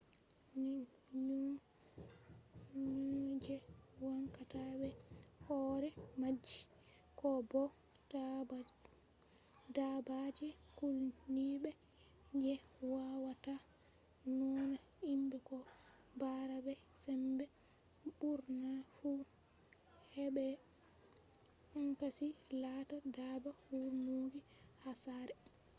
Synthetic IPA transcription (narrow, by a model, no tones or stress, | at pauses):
ɲu | d͡ʒɛwaŋkataɓɛhɔɾɛmad͡ʒːi | kɔbɔ | dabad͡ʒɛkulniɓɛ | d͡ʒɛwawata | nɔna | imbɛkɔ | baɾabɛsɛmbɛ | buɾnafu | hɛɓɛ | uŋkasilatadabahuɾmuɡihasaɾɛ